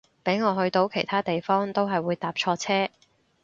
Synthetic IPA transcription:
pe˨˥jŋɔː˨˧ɦɵ˧ɥt̪o˧˥wkʰe˨˩jt̪ʰaː˥t̪e˨jfɔː˥ŋt̪o˥wɦɐ˨jwuː˨˧jt̪aː˨p̚t͡ʃʰɔː˧t͡sʰɛː˥

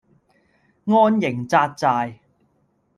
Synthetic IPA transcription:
ŋɔː˥njɪ˨˩ŋt͡saː˧t̚t͡saː˧j

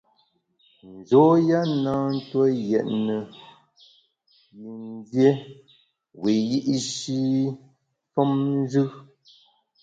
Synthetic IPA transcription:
n̩˨d͡ʒɔ˨˦ja˦naː˦n̩˦twə˦jɛ˨ʔnə˨ | ji˨n˦dje˦ | we˨ji˦ʔi˦ʃi˦ | fɔ˦mn˦zʉ˦

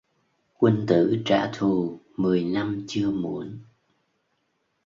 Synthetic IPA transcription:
kwə˧nt̪ɨ̰˧˥t͡ɕa̰ː˧˥t̪ʰu˨˩ | mɨ˨˩əjna˧mt͡ɕɨ˧əmu˧˦ən

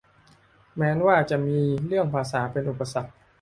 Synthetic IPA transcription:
mɛː˦˥nwaː˥˩t͡ɕa˨˩ʔmiː˧ɾɯ˥˩əŋpʰaː˧saː˩˦pe˧nʔu˨˩pːa˧sa˨˩k̚

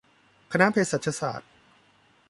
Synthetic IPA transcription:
kʰa˧na˦˥pʰeː˧sa˨˩t̪̚ʰa˧sa̰ː˨˩t̪̚

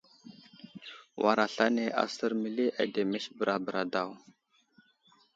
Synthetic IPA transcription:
wʔa˨ɾa˨ɬa˦ne˨ʔa̰˨sə˦ɾmi˨le˦ʔa˨de˨me˦ʃbə˨ɾʔa˨bə˨ɾʔa˨da˦˨w

